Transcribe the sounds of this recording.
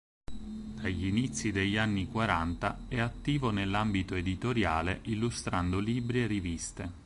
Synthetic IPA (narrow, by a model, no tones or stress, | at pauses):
d̪aʎːinit̪sːid̪eʎːanːikwaɾant̪aɛat̪ːiːvonelːambit̪oed̪it̪oɾjaːleʔilːust̪ɾand̪oliːbɾierːivist̪e